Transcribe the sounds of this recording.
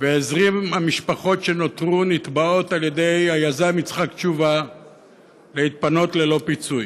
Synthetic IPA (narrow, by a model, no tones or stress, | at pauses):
veezʁimhamiʃpaχo̞tʃe̞not̪ʁunit̪bao̞t̪alje̞d̪e̞jajazamit͡sχakt͡ʃuva | leit̪̚pano̞t̪le̞lo̞pit͡suj